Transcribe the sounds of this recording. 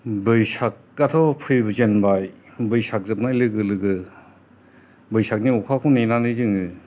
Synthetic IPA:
bɯjsak̚ːat̪ʰɔpʰɯjbɯzenbaj | bɯjsʰak̚zɯp̚nalɯɡɯlɯɡɯ | bɯjsak̚niukʰakʰɔnenanɯzɯŋɯ

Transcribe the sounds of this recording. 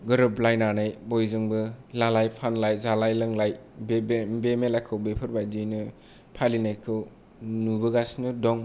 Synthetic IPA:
ɡɯɾɯblajnanajbɔjzɯŋbɯlalajpʰanlajzalajlɯŋlajbebbemelajkʰɯwbepʰɯɾbajdɯjnɯ | pʰalinajkʰɯw | nubɯɡasnɯdɔŋ

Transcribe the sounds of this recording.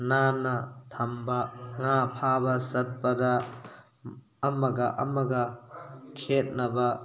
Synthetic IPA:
nanɐtʰɐmbɐŋapʰabɐsɐt̚pɐdɐ | mɐɡɐʔɐ̰mɐɡɐkʰet̚nɐbɐ

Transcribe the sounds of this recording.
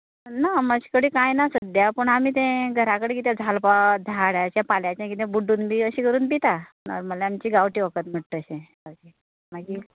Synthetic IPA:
naməd͡ʑi̥kəɽiːkajnasəd̪japəɳamiːt̪ẽɡʱəɾakəɽẽkit̪jãd͡zʱalpad̪ʱaɽjat͡ɕjãpaljat͡ɕjãkit̪ẽbuɖːuːnbiəɕiːkəɾuːnpit̪anə̰ɾməlajamt͡ɕiːɡaʋʈiːʋəkət̪m̤əʈt̪əɕẽ | ad͡ʑi | maɡi

